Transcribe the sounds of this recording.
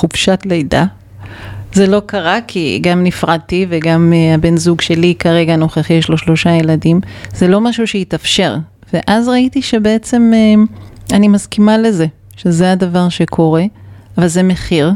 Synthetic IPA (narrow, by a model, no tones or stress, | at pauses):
χubʃatlejda | zelo̞kaʁakʰḭɡamnifʁad̚tiveɡameabe̞nzuɡʃe̞likaʁe̞ɡano̞χeχiʃlo̞ʃlo̞ʃajeladimz̥elo̞maʃuʃeitafʃe̞ʁ | veʔazʁaitiʃe̞beet͡se̞meanimazkimale̞ze̞ | ʃezeadavaʁʃe̞kʰo̞ʁe̞avalzemeχiʁ